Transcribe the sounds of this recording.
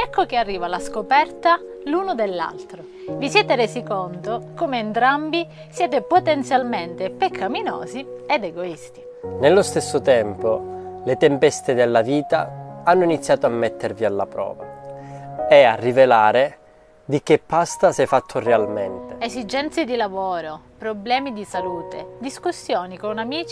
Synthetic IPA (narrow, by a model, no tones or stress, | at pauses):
ɛkːokearːiːvalaskopɛrt̪a | lunod̪elːa̰lt̪ɾo | visjɛːt̪eɾeːzikont̪okomeːnt̪ɾambi | sjɛːt̪̬epot̪ɛnt̪sjalment̪epekʰamino̰ːzied̪eɡoist̪i | nelːost̪esːot̪ɛmpolet̪ɛmpɛst̪ed̪elːaviːt̪a̰anːʊinit̪sːjaːt̪oamːɛt̪ʰːervialːa̰pɾɔ̰ːva̰ | ɛarːivelaːɾe | d̪ik̟epːast̪asɛfat̪ʰːʊrealmɛnt̪eezid͡ʒɛnt̪sed̪ilavoːɾo | pɾoblɛːmid̪isaluːt̪ed̪iskusːjoːnikonamiːt͡ʃ